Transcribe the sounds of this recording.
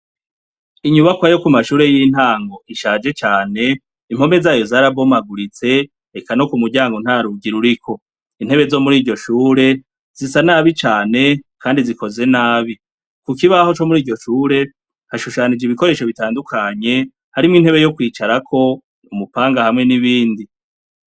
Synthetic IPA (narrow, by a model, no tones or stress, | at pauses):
iɲuβakwajo̞kumaʃuːɾe̞jin̥haːŋɡo̞ʔiʃaːd͡ʒe̞t͡ʃaːne̞ | im̥ho̞me̞zaːjo̞zaːɾabo̞maɡuɾit͡se̞ | ɾekano̞kumuɟaːŋɡon̥haːɾuɡiɾuɾikʰo̞ | in̥e̞βe̞zo̞muɾiːɾɟo̞ʃuːɾe̞ | z̥isanaːβit͡ʃaːne̞kaːndiziko̞ze̞naːβi | kukiβaho̞t͡ʃo̞muɾiːɟo̞ʃuːɾe̞ | haʃuʃanid͡ʒiβiko̞ɾe̞ːʃo̞βitaːndukʰaɲe̞ | haɾimŋinhe̞βe̞jo̞kwiːt͡ʃaɾakʰo̞ | umupaːŋɡahamŋe̞niβiːndi